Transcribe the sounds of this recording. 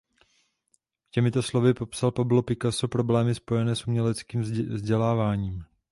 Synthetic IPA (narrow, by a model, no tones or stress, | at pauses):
cɛmɪt̪o̞slo̞vɪpo̞psalpablo̞pɪkasowpɾo̞blɛːmɪspo̞jɛnɛːsumɲɛlɛt͡skiːmvzɟɛlaːvaːɲiːm